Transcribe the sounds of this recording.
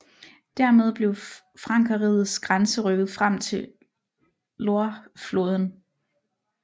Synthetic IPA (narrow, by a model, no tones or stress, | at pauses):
d̥æɐ̰með̞ˠb̥le̝ʊ | fʁɑ̈ŋ̰kʰɐʁiːð̩ˠsɡ̥ʁansəʁœɡ̥ð̞̩ˠfʁam̰t͡sʰe̝ | lo̝ɐfloːð̞ˠən̩